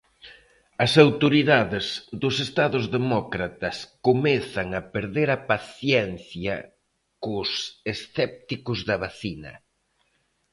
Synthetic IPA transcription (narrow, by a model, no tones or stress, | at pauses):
ɐsawt̪oɾiðaðezðʊsest̪aðʊzðemɔkɾat̪ɐskomeθɐŋɐpeɾðeɾɐpaθjɛnθjɐ̰ | kʊsesθɛp̚t̪ikʊzðɐβaθinɐ̰